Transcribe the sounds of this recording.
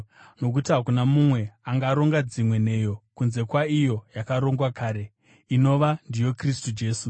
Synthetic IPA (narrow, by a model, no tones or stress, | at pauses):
no̞k̬utiɦakunamumwe̞aŋɡaːɾo̞ŋɡad͡zimwe̞ne̞ːjo̞kunze̞kwaijo̞jakaɾo̞ŋɡwakaːɾe̞ | ino̞ʋandijo̞kristud͡ʒe̞ːsu